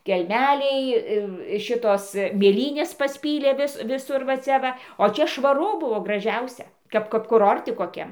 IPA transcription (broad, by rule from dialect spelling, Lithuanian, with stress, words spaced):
kʲɛlʲˈmʲæːlʲɛɪ ɪr ˈʃʲɪtoːs mʲeːˈlʲiːnʲeːs pɐsʲˈpʲiːlʲeː ˈʋʲɪs ʋʲɪˈsʊr ʋɐ t͡sʲɛ ˈʋɐ oː ˈt͡ʃʲɛ ʃʋɐˈrʊ ˈbʊʋoː ɡrɐˈʒʲɛʊsʲɛ ˈkɐp kɐp kʊˈroːrʲtʲɪ koːˈkʲɛm